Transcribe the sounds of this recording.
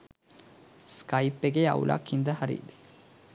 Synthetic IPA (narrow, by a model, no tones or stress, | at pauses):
skaipːeɡea̰ṵlʔa̰khind̪əɦaɾḭːd̪e̥